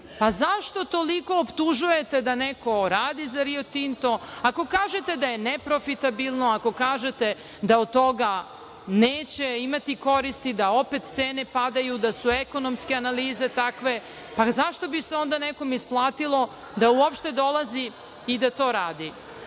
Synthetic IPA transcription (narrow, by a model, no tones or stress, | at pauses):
pazaʃt̪o̞t̪oliko̞ːpt̪uʒuje̞t̪e̞d̪aneko̞ɾaːd̪izaɾiot̪int̪oako̞kaːʒet̪e̞d̪ajenepɾo̞fit̪abilˠnoako̞kaːʒet̪e̞ | d̪aod̪̚t̪o̞ɡa | neːt͡ɕeimat̪iko̞ɾist̪id̪ao̞pe̞t̪t̪seːne̞pad̪ajud̪asueko̞nomskeanaliːze̞t̪akʋe̞ | pazaʃt̪o̞biseo̞nd̪aneko̞misplˠaːt̪ilˠo̞ | d̪auopʃt̪e̞d̪o̞lˠazi | id̪at̪o̞ːɾaːd̪i